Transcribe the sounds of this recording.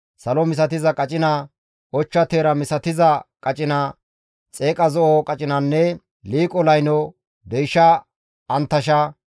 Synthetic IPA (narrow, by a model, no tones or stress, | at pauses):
sɐlɔmɪs̬ɐt̪ɪzɐkʼɐt͡ʃʼɪnɐ | ʔɔt͡ʃːɐt̪eːɾɐmɪsɐt̪ɪzɐkʼɐt͡ʃʼɪnɐ | t͡sʼeːkʼɐzɔʔɔkʼɐt͡ʃʼɪnɐnːɛ | liːkʼɔlɐjnɔ | d̪ɛjʃɐː | nt̪ːɐʃɐ